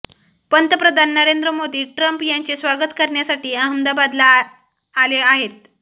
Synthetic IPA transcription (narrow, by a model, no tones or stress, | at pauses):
pənt̪əpɾəd̪ʱanːəɾend̪ɾəmod̪iːʈɾəmpjaɲt͡ɕesʋaɡət̪kəɾɳjasaʈiːaɦəmd̪abad̪laː | leaɦet̪